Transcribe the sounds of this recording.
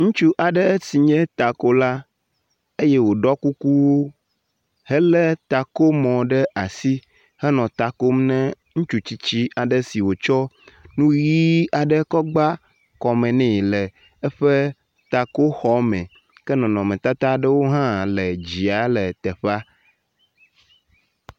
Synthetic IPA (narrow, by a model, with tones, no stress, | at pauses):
ŋũ˦t͡ʃu˦ʔa˨ɖə˦si˨ɲɛ̃˦t̪a˨ko˦la˦ | e˦jɛ˦wo˨ɖɔ˦ku˦ku˦wo˦ | hɛ˦lə˦t̪a˨ko˦mɔ̃˨ɖə˦ʔa˨si˦ | hɛ˦nɔ̃˨t̪a˨ko˦m˦nɛ̃˦ | ŋũ˦t͡ʃu˦t͡ɕi˦t͡ɕi˦a˨ɖə˦si˨wo˨t͡ʃɔ˦nũ˦ɣi˦a˨ɖə˦kɔ˦ɡ͡ba˦ | kɔ˨mɛ̃˨nɛ̃˦˨lɛ˨ | ɛ˦ɸɛ˦ | t̪a˨ko˦xɔ˦mɛ̃˨ | kɛ˦nɔ̃˨nɔ̃˨mɛ̃˨t̪a˦t̪a˦ɖə˦wo˦ɦã˦lɛ˨d͡ʑi˨a˨˦lɛ˨t̪ɛ˨ɸa˦